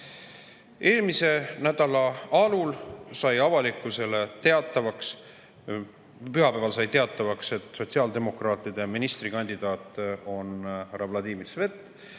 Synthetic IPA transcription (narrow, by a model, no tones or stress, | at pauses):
eːlmise̞næd̪̥ɑlɑɑlulsɑjɑvɑlikːˑuse̞le̞t̪e̞ɑt̪ːˑɑvɑks | pyɦɑpævɑlsɑjt̪e̞ɑt̪ːˑɑvɑkse̞t̪ˑso̞t̪ʲsiɑːld̪e̞mo̞krɑːt̪ˑid̪̥e̞minist̪rikɑnʲd̪̥id̪̥ɑːt̪ːˑo̞nrɑvlɑd̪iːmilsve̞t̪ːˑ